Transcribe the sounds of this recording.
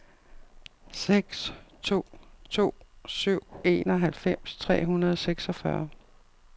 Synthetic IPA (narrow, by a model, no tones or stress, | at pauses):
seɡ̥st͡sʰo̝̰ːt͡sʰo̝̰ːsyʊ̰e̝ːnɒ̽ɦælfem̰st͡sʰʁɛ̰ːɦunɐð̞ˠɒseɡ̥sɒfɶɐ